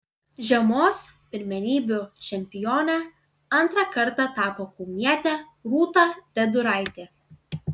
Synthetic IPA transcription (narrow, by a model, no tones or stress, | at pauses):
ʒʲɛmoːspʲɪɾʲmʲɛnʲiːbʲʊt͡ʃʲɛmʲpʲɪjoːnʲɛ | ɐnˑt̪ɾɑkɐɾt̪ɑt̪ɑːpoːkuːmʲiɛt̪ʲɛ | ɾuːt̪ɑd̪ʲɛd̪ʊɾɑˑɪt̪ʲe